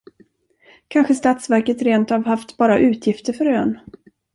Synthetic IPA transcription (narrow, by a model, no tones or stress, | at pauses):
kʰanɧəst̪at̪svæɾkət̪ɾeːnt̪havɦaft̪bɑːɾaʔʉ̟ːt̪ʰjɪft̪əɾfœɾøːn